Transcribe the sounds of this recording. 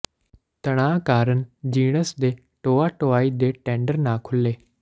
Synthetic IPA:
t̪əɽ̃ãːkaːɾənɪ̆d͡ʒiːɽ̃əsd̪eː | ʈoːaːʈoːaːid̪eːʈẽːɳɖəɾnaːkʰʊleː

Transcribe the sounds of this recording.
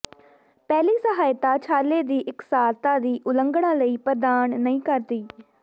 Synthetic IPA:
pɛːliːsəɦaːjt̪aːt͡ʃʰaːleːd̪iːʔɪksaːlt̪ãːd̪iːʔʊləŋɡɽãːləiːpəɾd̪aːnnəĩːkəɾd̪iː

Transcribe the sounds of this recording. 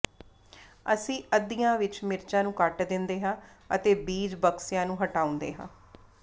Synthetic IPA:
əsĩːʔəd̪ijãːʋɪt͡ʃmɪɾt͡ʃãːnũːkəʈd̪ɪnd̪eːɦãː | ət̪eːbiːd͡ʒbəksɪjãːnũːɦəʈaːʊ̃nd̪ḛːɦãː

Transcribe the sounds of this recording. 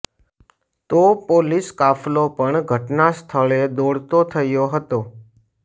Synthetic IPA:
t̪opoliskaflopəɳɡʱəʈnast̪ʰəɭed̪oɽt̪ot̪ʰəjoɦət̪o

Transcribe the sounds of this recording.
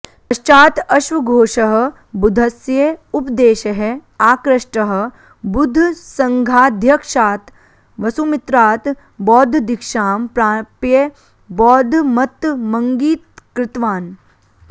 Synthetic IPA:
pɐʃt͡ʃaːt̪ɐʃʋɐɡʱoːʃɐɦɐ̆ | bud̪ʱɐsjeupd̪eːʃɐɦɛaːkɾɐʂʈɐɦɐ̆ | bud̪ʱːsɐŋɡʱaːd̪ʱjɐkʂaːt̪ | ʋɐsumɪt̪ɾaːt̪ | bɔːd̪ʱd̪ɪkʃaːmpɾaːpje | bɔːd̪ʱmɐt̪mɐŋɡiːt̪kɾɪt̪ʋaːn

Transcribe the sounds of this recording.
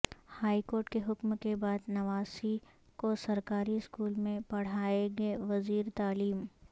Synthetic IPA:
haːikoːɾʈkeɦʊkmkebaːd̪nɐʋaːsi | kosɐɾkaːɾiɪskuːlmẽpɐɽ̤aːeɡɐeʋɐziːɾt̪aːliːm

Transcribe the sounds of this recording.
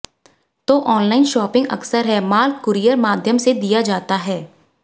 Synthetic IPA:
t̪oːʔɔːnlaːɪnʃɔːpɪ̃ŋɡɐ̰ksəɾɦɛːmaːlkkʊɾijəɾmaːd̪ʱjəmsed̪ijad͡ʒaːt̪aɦɛː

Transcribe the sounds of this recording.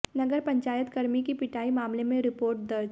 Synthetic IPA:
nɐɡəɾpɐ̃ɲt͡ʃaːjət̪kɐɾmikipɪʈʰaːimaːmlemẽɾɪpoːɾʈ̚d̪ɐɾd͡ʒ

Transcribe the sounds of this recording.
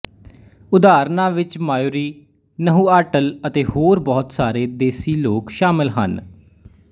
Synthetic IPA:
ʊd̪aːɾnãːʋɪt͡ʃmaːjoːɾiː | nəɦũːaːʈələt̪eːhoːɾbɔːt̪saːɾeːd̪eːsiːloːkʃaːmɪlɦə̰n

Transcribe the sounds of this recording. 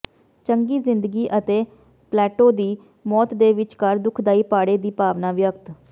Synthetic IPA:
t͡ʃəŋɡiːzɪnd̪əɡiːʔət̪eː | plɛːʈoːd̪iː | mɔːt̪d̪eːʋɪt͡ʃkəɾd̪ʊkʰd̪aːiːpaːɽeːd̪iːpaːʋnaːʋjəkt̪

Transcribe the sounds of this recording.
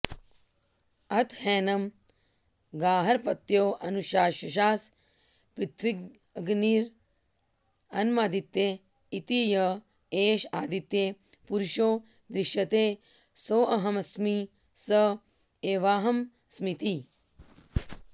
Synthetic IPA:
ɐt̪hɛːnɐm | ɡaːɦɐɾpɐt̪joːʔɐnuʃaːʃɐʃ̬aːs | pɾɪt̪ʰʋiɡ | ɐɡniːɾ | ɐnmaːd̪it̪ːjeː | it̪ijɐ | eːʃaːd̪it̪ːjeː | puɾʃoː | d̪ɾɪʃjɐt̪eː | soːʔɐɦɐmɐsmi | sɐ | eːʋaːɦɐm | smit̪i

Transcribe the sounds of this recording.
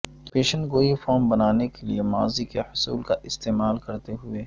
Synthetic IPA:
peːʃə̃nɡoːifɔːɾmbɐnaːnekeliema̰ːzikehʊsṵːlkaʔɪst̪eːmaːlkɐɾt̪eɦʊeː

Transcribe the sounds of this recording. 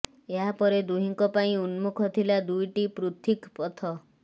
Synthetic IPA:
eɦapɔɾed̪uɦiŋkɔpaĩunmukʰɔt̪ʰilad̪ujʈipɾut̪ʰikpɔt̪ʰɔ

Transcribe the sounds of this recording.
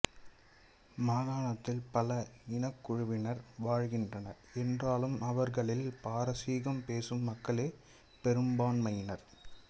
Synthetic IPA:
maːðaːɳɐt̪ːɪlpɐlɐɪnɐkːʊɻʊʋɪnɐɾʋaːɻɣɪndrɐnɐɾɛndraːlɯmɐʋɐɾɣɐɭɪlpaːɾɐsiːɣɐmpeːsɯmːɐkːɐɭeː | pɛɾɯmbaːnmɐjnɐɾ

